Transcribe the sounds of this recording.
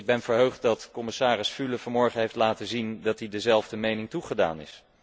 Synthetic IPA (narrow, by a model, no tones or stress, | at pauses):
ɡ̚bɛnvəɹɦøɥχt̚dɑtkɔmɪsaːrɪsfyləvɑmɔɹχənɦejftlaːtəzindɑtidəzɛlˠvdəmejnɪŋtuχəda̰ːnɪ̰s